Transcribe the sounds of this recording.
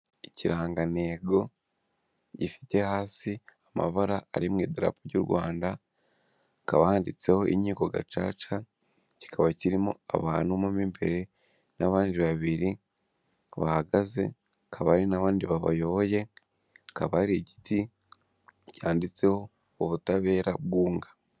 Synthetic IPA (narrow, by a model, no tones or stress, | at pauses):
iciɾaːŋɡane̞ːɡo̞ | ɟifi̥te̞haːsiama̰βaɾaːɾimŋiːdiɾa̰poɾɟṵɾɡwaːnda | kaβahaːndit͡se̞ho̞ʔḭɲiːko̞ɡa̰t͡ʃa̰ːt͡ʃa | ci̥kʰaβaciɾimo̰a̰βaːnhumumimbe̞ɾe̞ | naβaːndiβaβiɾi | βa̰haɡaze̞̰ | kʰaβaɾinaβaːndiβaβa̰jo̞βo̞je̞ | kaβaɾeɟi̥ti | cʰaːndit͡se̞ho̞ | oβutaβe̞ːɾabɡuːŋɡa